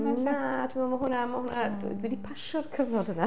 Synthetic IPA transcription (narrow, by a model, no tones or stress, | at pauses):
natʰɪmɔmaɦʊnamahʊnadwṵdwɛdipʰaʃɔrkʰəvnɔdəna